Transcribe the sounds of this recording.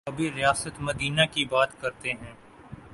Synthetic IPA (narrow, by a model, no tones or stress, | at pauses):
ɐbʱiɾɪjaːsət̪mɐd̪iːnakibaːt̪kɐɾt̪eɦɛ̃ː